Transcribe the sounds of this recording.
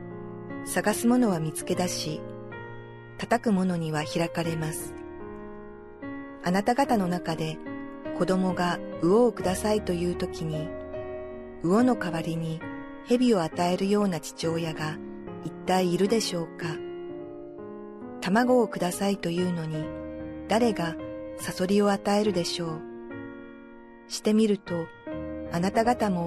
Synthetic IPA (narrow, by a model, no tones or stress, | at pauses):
saɡasɨmo̞no̞βamʲit͡sɨ̥ke̞d̪aɕi | t̪at̪akɯ̟mo̞no̞ɲ̟iβ̞açiɾakaɾe̞masɨ̥ | anat̪aɡat̪ano̞nakad̪e̞ | ko̞d̪o̞mo̞ɡaɯ̟o̞ːkɯ̟d̪asait̪o̞jɯ̟ːt̪o̞kʲiɲ̟i | ɯ̟o̞no̞kaβaɾʲiɲ̟i | he̞bʲio̞at̪ae̞ɾɯ̟jo̞ːnat͡ɕi̥t͡ɕo̞ːjaɡa | it̪ːaiːɾɯ̟d̪e̞ɕo̞ːka | t̪amaɡo̞ːkɯ̟d̪asait̪o̞jɯ̟ːno̞ɲ̟id̪̥aɾe̞ɡasaso̞ɾʲio̞at̪ae̞ɾɯ̟d̪e̞ɕo̞ː | ɕi̥t̪e̞mʲiɾɯ̟t̪o̞ | anat̪aɡat̪amo̞